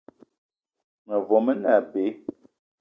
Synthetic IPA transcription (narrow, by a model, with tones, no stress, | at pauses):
ŋə˨vɔ˨mə˦na˦˨be˨˦